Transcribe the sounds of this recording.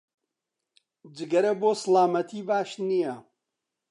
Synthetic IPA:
d͡ʒɨɡɐɾɐboːslaːmɐt̪ʰiːbaːʃnijɐ

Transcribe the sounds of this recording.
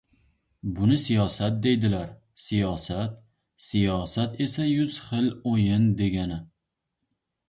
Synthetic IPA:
bʊnɪsijɒsat̪̚d̪e̞jd̪ɪlaɾ | sijɒsat̪ | sijɒsat̪e̞sajʊz̥χɨlojɪnd̪e̞ɡʲanɪ

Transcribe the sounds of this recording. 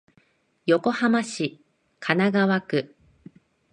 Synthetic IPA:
jo̞ko̞hamaɕi | kʰanaɡaβakɯ̟

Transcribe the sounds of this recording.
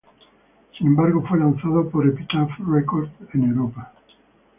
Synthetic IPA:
sinẽ̞mbaɾɣo̞fwe̞lanθaðopo̞ɾepit̪afrekoɾd̪enewɾopa

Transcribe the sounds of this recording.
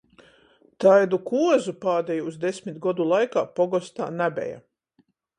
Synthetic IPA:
t̪ajd̪ukuɔzupaːd̪ejuuzd̪esʲmʲit̪ɡɔd̪ulˠajkaːpɔɡɔst̪a̰ːnabʲɛ̰ja̰

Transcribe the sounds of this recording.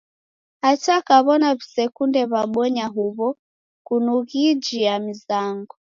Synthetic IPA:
hat͡ʃakaβɔnaβisɛkundɛβaɓwɔɲaɦuβɔ | kunuɣid͡ʒiamizaŋɡɔ

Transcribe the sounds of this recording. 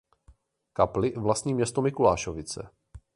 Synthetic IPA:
kaplɪvlast̪ɲiːmɲɛst̪omɪkulaːʃovɪt͡sɛ̰

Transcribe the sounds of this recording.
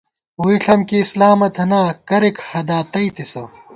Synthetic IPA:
uiɬɐmkiːslaːmɐt̪ʰɐnaːkɐɾikhɐd̪aːt̪ɐit̪ʰisɐ

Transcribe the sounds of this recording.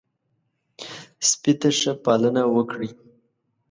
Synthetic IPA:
spit̪aʂəpɑlənawəkɽi

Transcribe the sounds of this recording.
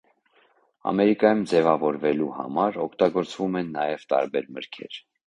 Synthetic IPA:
ɑ̰mɛɾikɑjumd͡zɛvɑvɔɾvɛluhɑ̰mɑɾɔkʰt̪ɑɡɔɾt͡svumɛnːɑjɛvt̪ɑ̰ɾbɛɾməɾkʰɛ̰ɾ

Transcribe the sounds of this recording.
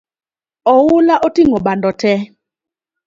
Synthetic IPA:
ɔwulaʔɔtiŋɔɓandɔtʰɛ

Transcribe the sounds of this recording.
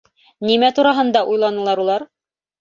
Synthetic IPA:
nimæt̪uɾɑɦɤ̆nd̪ɑʔujlˠɑnɤ̆lˠɑɾulˠɑɾ

